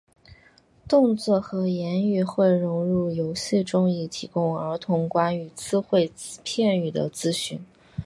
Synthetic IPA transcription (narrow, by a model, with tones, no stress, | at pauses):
t̪ʊ˥˧ŋt͡swɔ˥˩xɤ˧˥jɛ˧˥ny˥˧xwe˥˩ɪɻʊ˧˥ŋɻu˥˩jo˧˥ʊɕi˥˧˩ʈ͡ʂʊ˥ŋi˥˩t̪ʰi˧˥kʊ˥ŋə˞˧˥t̪ʰʊ˧˥ŋkwa˥ny˧˩t͡sɹ̩˥xwe˥˧ɪpʰjɛ˥˧ny˨˩d̪ə̰˦t͡sɹ̩˥ɕy˥˩n